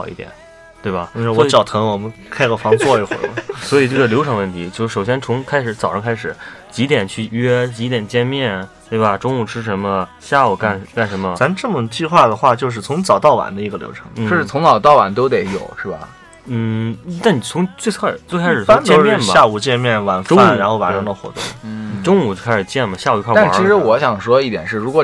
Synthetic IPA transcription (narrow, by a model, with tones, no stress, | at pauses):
ɑ˨˩ʊḭ˥˩t̪jɛ̰˨˩˦n | t̪we˥˩ɪɐ˩˥˧swɔ˧˥t͡ɕjɑ˨˩ʊt̪ʰɤ˧˥ŋwɔ˨˩mə˧˦nkʰa˥ɪɡə˨˩fɑ˧˥ŋt͡swɔ˥˧i˧˩xwɔ̰˨˩˥swɔ˧˥i˨˩ʈ͡ʂɤ˥˩ə˩ljo˧˥ʊʈ͡ʂʰɤ˧˥ŋwə˥˩nt̪ʰi˧˥t͡ɕjʊʂɻ̩˥˩ʂo˨˩ʊɕjɛ˥nt͡sʰʊ˧˥ŋkʰa˥ɪʂɻ̩˧˥t͡sɑ˨˩ʊʂɤ˧˥ŋkʰa˥ɪʂɻ̩˨˩˦t͡ɕi˧˥t̪jɛ˨˩nt͡ɕʰy˥˩ɥɛ˥t͡ɕi˧˥t̪jɛ˨˩nt͡ɕjɛ˥˧nmjɛ˥˩nt̪we˥˩bɐ˩ʈ͡ʂʊ˥ŋu˥˩ʈ͡ʂʰɻ̩˥ʂ̬ə˧˥nmə˧ɕja˥˩u˨˩ka˥˩nka˥˩nʂə˧˥mə˧t͡sa˧˥nʈ͡ʂɤ˥˩mə˩t͡ɕi˥˧xwa˥˩d̪ə˩xwa˥˩t͡ɕjo˥˧ʊʂ̬̩˥˩t͡sʰʊ˧˥ŋt͡sɑ˨˩ʊt̪ɑ˥˩ʊwa̰˧˥nd̪ə˧i˧˥ɡə˧ljo̰˧˥ʊʈ͡ʂʰɤ̥̰˧˥ŋn̩˥˩o˥˧ʂɻ̩˥˩t͡sʰʊ˧˥ŋt͡sɑ˨˩ʊt̪ɑ˥˩ʊwa̰˧˥nt̪o˥ʊt̪e˧˩˥ɪjo̰˨˩˦ʊʂɻ̩˥˩bɐ̰˩ | n̩˥˩t̪a˥˩nni˨˩t͡sʰʊ˧˥ŋt͡swe˥˧ɪt͡sʰɤ˥˩t͡swe˥˧ɪkʰɪ˥ɻ̩˨˩a˥tt͡ɕ̪ɛ˥˧˥mjɛ˥˧˩bɐ˨ja˥˧u˨˩t͡ɕjɛ˥˧nmjɛ˥˩nwa˧˩nʈ͡ʂʊ˥a˥u˨˩ɻa˧˥nxo˥˧˩wa˧˥nʈ͡ʂɤ˧˥d̪ə˧xwɔ̰˧˥t̪ʊ̰˥˩ŋ˩ʈ͡ʂʊ˥ŋu˧˩˥kʰa˥ɪʂɻ̩˨˩t͡ɕjɛ˥˩nmɐ˩ɕja˥˩u˧˩˧kʰɔ˥˩a˥˩a˧˥t͡ɕi˧˥ʂɻ̩˧˥wɔ˧˥ɕjɑ˨˩ŋʂwɔ˥i˥˩t̪jɛ˨˩nʂɻ̩˥˩ɻu˧˥kwɔ˨˩